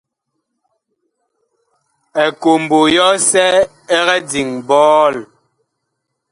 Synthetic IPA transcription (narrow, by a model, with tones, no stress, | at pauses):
ɛ˨ko˨m˨bo˨jɔ˦sɛ˦ | ɛ˦ɣɛ˦di˨ŋbɔː˦l